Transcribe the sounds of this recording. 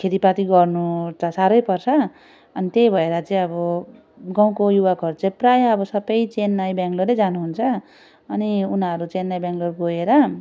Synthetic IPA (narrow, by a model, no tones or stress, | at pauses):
kʰet̪ipat̪iɡʌrnut͡sasaɾʌjpʌrt͡sʰʌ | ʌnit̪ejbʱʌeɾʌt͡saĩʌbʌ | ɡaw̃kojuwakʌɾt͡saprajʌbʌsʌbʌjt͡senːajbaŋɡloɾed͡zanuɦunt͡sʰʌ | ʌniunʌɾut͡senːajbjaŋɡlorɡoeɾʌ